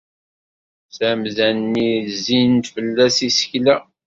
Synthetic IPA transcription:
sæmzænnːizint̪fəlːæsisə̥çlæ

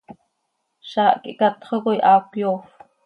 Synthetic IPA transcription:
ʃaːʔkḭʔkat̪χəɣojʔakʷjoːf

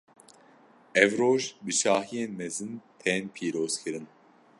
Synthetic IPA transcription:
ɛvɾoʒbiʃaːɦijɛnmɛzɨnt̪ʰɛnpʰiːɾoskʰiɾɨn

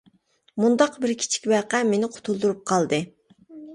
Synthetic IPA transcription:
mund̪ɑqbɪɾkʲʰi̥t͡ʃʰi̥kʲbæqæmenɪqʰʊ̥t̪ʰulˠd̪uɾup̚qʰɑlˠd̪ɨ

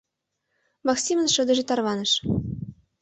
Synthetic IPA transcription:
mɑksʲimənʃɤ̆d̪ɤ̆ʒĕt̪ɑrβɑnɤ̆ʃ

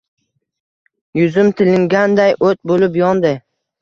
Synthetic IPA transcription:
jʊzɪmt̪ʰɪlɪŋɡʲand̪ajʔot̪̚bolɪpjɒnd̪ɪ

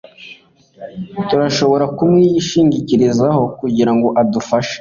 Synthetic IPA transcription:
tuɾaʃo̞βo̞ɾakumŋiːjiʃiːɲɟiciɾizaho̞kuɟiɾaŋɡo̞ʔadufaʃe̥

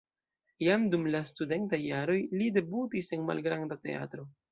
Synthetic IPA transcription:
jamdumlastude̞ntajːaɾo̞jlide̞butise̞nma̰lɡɾandate̞̰a̰tɾo̞

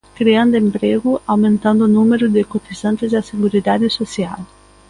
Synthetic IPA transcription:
kɾiãnd̪ʊempɾeɣʊʔawmẽnt̪ãnd̪ʊːnũmeɾʊd̪ɪkot̪izãnt̪ɪzd̪ɐseɣuɾid̪ad̪ɪsosiaw

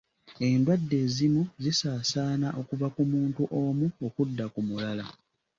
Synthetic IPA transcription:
e̞ndwadːe̞ːzimuzisaːsaːnaʔo̞kuvakumuːntuʔo̞muokudːakumulala

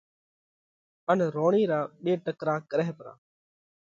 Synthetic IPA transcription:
ənɾoːɳiːɾaːɓeːʈəkɾaːkəɾɛːpɾã̰ː

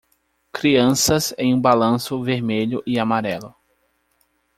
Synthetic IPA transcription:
kɾiɐ̃sɐzẽj̃ũbalɐ̃sʊveɾmeʎʊʔɪamaɾɛlʊ

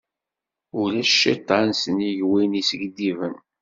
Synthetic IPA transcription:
ʊlæʃːit̪ˤːansəniʝwinisəɡd̪ivən

